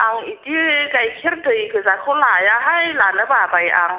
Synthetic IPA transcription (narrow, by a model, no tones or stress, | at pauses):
ʔaŋit̪ikajkʰirdɯjkʰɯzakʰolaːjaɦajlaːnləbaːbajʔa̰ŋ